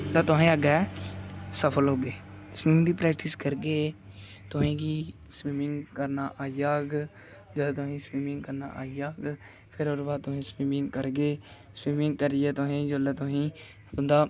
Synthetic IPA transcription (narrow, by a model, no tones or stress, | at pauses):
t̪ãːt̪ʊɦẽːəɡɛ | səpʰəlɦoːɡeːspiːmd̪iːpɾɛːkʈɪskəɾɡeː | t̪ʊɦẽːɡiː | spiːmɪ̃ŋɡkəɾnaːʔaːijaːɡ | d͡ʒəlːt̪ʊɦĩːspiːmɪ̃ŋɡkəɾna̰ːʔa̰ːijaːɡ | pʰɪɾoːɾbaːt̪ʊɦẽːspiːmɪ̃ŋɡkəɾɡeː | spiːmɪ̃ŋɡ̚kəɾɪɛːt̪ʊɦẽːd͡ʒəlɛːt̪ʊɦĩː | t̪ʊnd̪aː